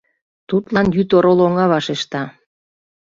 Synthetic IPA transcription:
t̪ut̪lɑnjyt̪oɾoloŋɑβɑʃeʃt̪ɑ

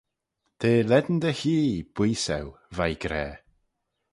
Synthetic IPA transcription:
d̪̥ʰeːlɛd̪n̩d̪əhiːb̥wiːsɛ̰w | vajɡɾɛː

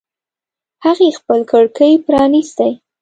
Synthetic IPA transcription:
haɣexpəlkəɽkəjpɾɑnist̪əj

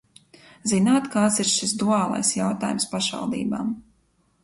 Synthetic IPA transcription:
zinaːt̪kaːt̪siɾʃisd̪uaːlˠa̰jsjawt̪aːjumspaʃva̰lˠd̪ḭːba̰ːm

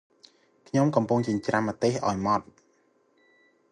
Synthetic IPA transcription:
kʰɲomkɑmpuŋt͡ɕiəɲt͡ɕramːat̪eːhʔaɔjmɑt̪̚

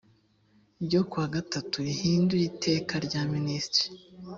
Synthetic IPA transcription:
ɟokwaːɡatatuɾihiːndujitʰe̞ːkaɾɟaːministɾi̥

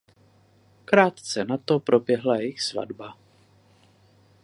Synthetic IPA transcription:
kɾaːt̪t͡sɛnat̪opɾobjɛɦlajɪxsva̰dba

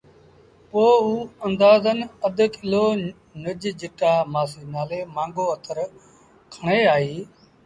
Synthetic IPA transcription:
poːuːənd̪aːzənəd̪kɪloː | nəd͡ʒd͡ʒɪʈaːmaːsiːnaːleːmãːŋɡoːət̪ʰəɾ | kʰəɳ̃eːaːɦiː

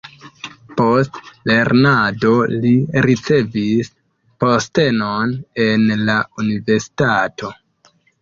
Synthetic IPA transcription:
po̞stle̞ɾnado̞liɾit͡se̞vis | po̞ste̞none̞nlaunive̞ɾsi̥tato̞

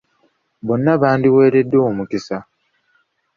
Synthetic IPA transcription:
βo̞nːaβaːndiwe̞ːɾe̞dːo̞oːmukisa

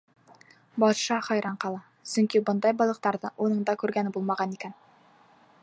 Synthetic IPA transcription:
bɒt̪ʃɑχɑjɾɑɴqɑlˠɑ | sɵŋkibɤnd̪ɑjbɒlˠɤ̆q̚t̪ɑɾðɤʔunɤ̆ɴd̪ɑkʉɾɡænɘbulˠmɑʁɑnikæn

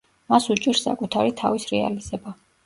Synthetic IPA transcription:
masut͡ʃʼiɾsːa̰kʼut̪ʰaɾit̪ʰavisɾɛa̰liz̥ɛba

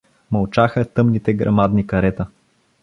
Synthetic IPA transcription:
mɐlˠt͡ʃaxət̪ɤmnit̪ɛɡɾʔɐ̰mad̪nikɐɾɛt̪ə

